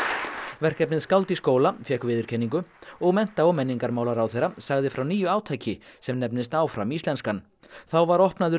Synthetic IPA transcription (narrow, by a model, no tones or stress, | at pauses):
vɛr̥kcɛpnɪðskawlt̪iskoːwlafjɛhkvɪːðʏɾ̥cʰɛnːiŋk̬ʏɔɣmɛn̥t̪aɔmɛnːiŋkaɾmaːwlaɾawθejɾasaɣðɪfɾawniːjʏaːwt̪ʰajcɪsɛmnɛpnɪst̪aːwfɾa̰miːst̪lɛnskan | θawvaɾɔhpnaðʏ